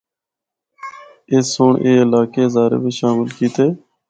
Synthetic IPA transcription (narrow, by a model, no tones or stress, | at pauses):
eːsoːɳʔeːɪlaːkeːzaːɾḛːbiːʃaːmɪlkiːt̪eː